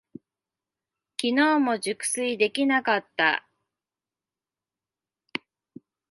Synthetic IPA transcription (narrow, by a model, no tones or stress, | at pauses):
kʲino̞ːmo̞ʑɨkɯ̟̥sɨid̪e̞kʲinakat̪ːa̰